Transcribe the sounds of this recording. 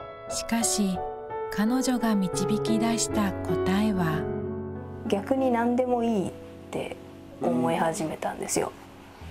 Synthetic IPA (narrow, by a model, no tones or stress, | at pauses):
ɕi̥kaɕi | kano̞ʑo̞ɡamʲit͡ɕibʲikʲid̪aɕi̥t̪ako̞t̪aeβa | ɡʲakɯ̟ɲ̟inãnd̪e̞mo̞iː | t̪ːe̞̰ | omo̞ehaʑime̞t̪ãnd̪e̞sɨjo̰